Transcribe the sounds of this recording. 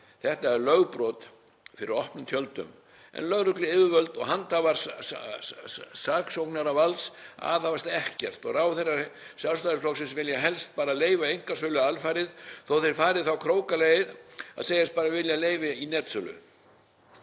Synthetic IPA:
θɛht̪aɛɾlœɣpɾɔt̪ | fɪɾɪɾɔhpnʏmt̪ʰjœlt̪ʏ̰m | ɛ̰nlœɣrʏklɪɪvʏvœlt̪ɔɣɦant̪avaɾs | saːksowknaɾavalsa̰ðavast̪ɛhcɛr̥t̪ɔɣrawθɛrːasjalst̪aðɪflɔksɪnsvɪljaɦɛlst̪̚paːɾaleːjvaejŋ̥kasœlʏalfajɾɪðθowθejɾ̥faːɾɪðθawkʰɾoːwkalejɪða̰ðseːjast̪̚paːɾavɪljaleːjvɪinɛt̪sʏlʏ̰

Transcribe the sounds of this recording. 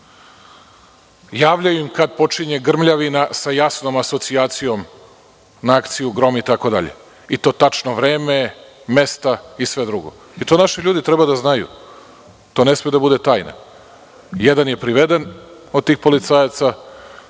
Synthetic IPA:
jaːʋʎajuimkad̪po̞t͡ʃiɲeɡr̩mʎaʋinasajasno̞maso̞t̪siaːt̪sijo̞m | naakt̪sijuɡɾo̞miit̪ako̞d̪a̰ʎḛ | it̪o̞ːt̪at͡ʃno̞ʋɾe̞ːme | me̞st̪aisʋe̞d̪ɾuɡo̞̰ | it̪o̞naʃiʎuːd̪it̪ɾebad̪aznajṵ | t̪o̞ːne̞smijud̪abud̪e̞t̪aːjna̰ | jed̪anje̞pɾiʋed̪en | od̪̚t̪iːxpo̞lit̪sajat̪sa

